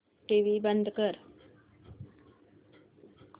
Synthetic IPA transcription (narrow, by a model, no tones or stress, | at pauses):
ʈeʋibənd̪ʱkəɾ